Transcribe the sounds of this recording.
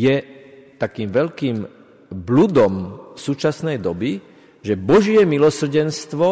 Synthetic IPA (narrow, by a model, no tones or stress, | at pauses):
jɛt̪akiːmʋɛʎkiːm | blud̪ɔmsuːt͡ʃasnɛjd̪ɔbi | ʒɛbɔʒɪɛmilɔsr̩ɟɛnst̪ʋɔ